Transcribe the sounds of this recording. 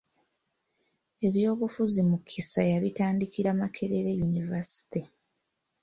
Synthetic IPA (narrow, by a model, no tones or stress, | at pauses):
e̞βjo̞ːβufuzimukʰːisajaβitaːndikiɾamakʰe̞ɾeɾejunivasi̥ti